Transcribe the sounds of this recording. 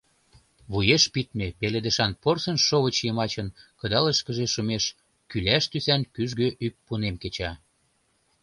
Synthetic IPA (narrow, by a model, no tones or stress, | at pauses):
βujeʃpit̪̚mepeled̪ə̆ʃɑnporsənʃoβət͡ɕjəmɑt͡ɕənkɤ̆d̪ɑləʃkə̆ʒeʃumeʃ | kylæʃt̪ysænkyʒɣøʔyk̚punemket͡ɕɑ